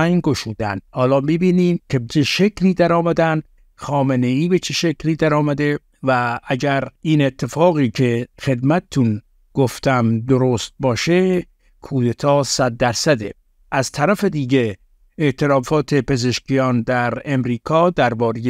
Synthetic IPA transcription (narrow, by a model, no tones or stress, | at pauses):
æjɡo̞ʃuːd̪ænd̪hɒːlɒːmibiːniːmkʰe̞bet͡ʃʰeʃekʰliːd̪æɾɒːmæd̪ænd̪ | xɒːmeneiːbet͡ʃʰeʃekliːd̪æɾɒːmæd̪e̞ | vææɟæɾiːne̞t̪ʰːe̞fɒːɣiːkʰe̞xe̞d̪mæt̪et̪ʰun | ɡ̥oft̪æmd̪oɾost̪̚bɒːʃe | kʰuːd̪et̪ʰɒːsæd̪̚ːæɾsæd̪e | ʔæzt̪ʰæɾæfe̞d̪iːɟe | eʔt̪ʰe̞ɾɒːfɒːt̪ʰe̞pe̞zeʃcijɒːnd̪æɾemɾiːkʰɒːd̪æɾbɒːɾeje